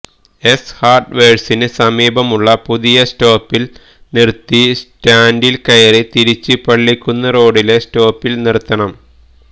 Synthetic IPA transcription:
e̞shaːrʈʋeːɻsinɨsɐmiːbʱɐmuɭːɐpuðijɐsto̞ːpːil | nirt̪ːistaːndilkɐjɐrit̪iɾit͡ɕːɨpɐɭːikʲːunːɐro̞ːɽile̞sto̞ːpːilnirt̪ːɐɳɐm

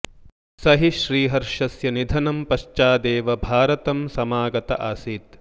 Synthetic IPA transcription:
sɐɦiʃɾiːɦɐɾʂɐsjɐnid̪ʱɐnɐmpɐʃt͡ʃaːd̪eːʋɐbʱaːɾɐt̪ɐmsɐmaːɡɐt̪ɐ̰ʔa̰ːsiːt̪

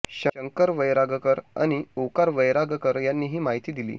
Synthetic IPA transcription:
ɕəəŋkəɾʋəjɾaɡəkəɾa̰ñiokaɾʋəjɾaɡəkəɾjanːiːɦiːmaɦit̪iːd̪ilḭː

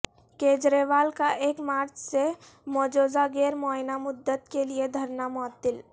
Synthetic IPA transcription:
keːd͡ʒɾeːʋaːlkaʔeːkmaːɾt͡ʃse | mɔːd͡ʒoːzaɡeːɾmɔːɦɪnamʊd̪ːət̪kelied̪ʱɐɾnamɔːt̪ːɪl

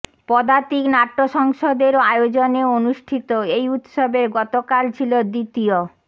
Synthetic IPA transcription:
pɔd̪at̪iknaʈːoʃɔŋʃod̪eɾoajod͡ʑoneonuʃʈʰit̪oejut̪ʃobeɾɡɔt̪okalt͡ɕʰilod̪it̪io

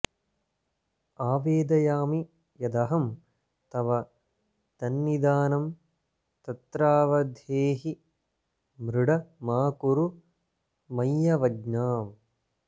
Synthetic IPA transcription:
aːʋeːd̪ɐjaːmi | jɐd̪ɐɦɐm | t̪ɐʋɐ | d̪̥ɐnːid̪aːnɐm | t̪ɐt̪ɾaːʋɐd̪ʱjeːɦi | mɾuɽɐmaːkuɾu | mɐjːɐʋɐd͡ʒnaːm

